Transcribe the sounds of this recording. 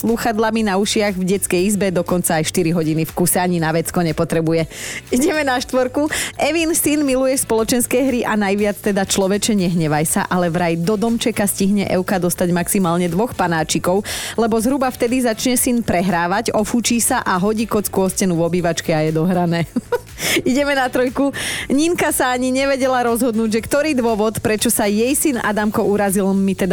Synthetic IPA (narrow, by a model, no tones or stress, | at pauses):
sluxad̪laminauʃɪaɣvɟɛt͡skɛjizbɛd̪ɔkɔnt͡saːjʃt̪iɾiɦɔɟinifkusɛaɲinaʋɛt͡skɔɲɛpɔt̪ɾɛbujɛiɟɛmɛnaʃt̪ʋɔɾkuɛʋinsinmilujɛspɔlɔt͡ʃɛnskɛjɦɾiʔanajʋɪat͡st̪ɛd̪at͡ʃlɔʋɛt͡ʃɛɲɛɦɲɛʋajsa̰ʔalɛʋɾajd̪ɔd̪ɔmt͡ʃɛkasciɦɲɛ̰ʔɛʊkad̪ɔst̪aɟmaksimaːlɲɛd̪ʋɔxpanaːt͡ʃikɔʊlɛbɔzɦɾubaft̪ɛd̪izat͡ʃɲɛsinpɾɛɦɾaːʋaɟɔfut͡ʃiːsaʔaɦɔɟiːkɔt͡skuɔscɛnuʋɔbiːʋat͡ʃkɛajɛd̪ɔɦɾanɛː | iɟɛmɛnat̪ɾɔjkuɲiŋkasaaɲiɲɛʋɛɟɛlaɾɔzɦɔd̪nuːɟʒɛkt̪ɔɾiːd̪ʋɔʋɔt̪pɾɛt͡ʃɔsajɛjsina̰d̪amkɔʔuɾazilmit̪ɛd̪a